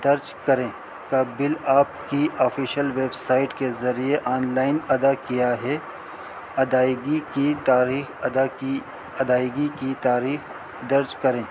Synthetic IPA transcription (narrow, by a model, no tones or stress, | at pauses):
d̪ɐɾd͡ʒkɐɾẽː | kabɪlaːpkiʔɔːfiʃəlʋeːbsaːɪʈkezɐɾieʔaːnlaːɪnɐd̪akijaɦɛ | ɐd̪aːɪɡikit̪aːɾiːxd̪ai | ɐd̪aːɪɡikit̪aːɾiːx | d̪ɐɾd͡ʒkɐɾẽː